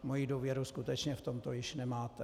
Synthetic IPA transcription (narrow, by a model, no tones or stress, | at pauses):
mojiduːvjɛɾuskut̪ɛt͡ʃɲɛft̪omt̪ojɪʃnɛmaːt̪ɛ